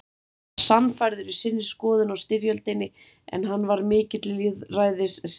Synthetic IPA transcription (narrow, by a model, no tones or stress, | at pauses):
samfajɾðʏɾvɪsɪnːɪskɔːðʏnawst̪ɪɾjœlt̪ɪnːɪ | ɛ̰nɦanːvaɾmɪːcɪt̪lɪliðraːjðɪs